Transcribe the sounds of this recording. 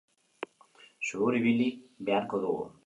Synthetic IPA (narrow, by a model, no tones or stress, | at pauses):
ʃuɾiβilibeaɾkoɾuo̰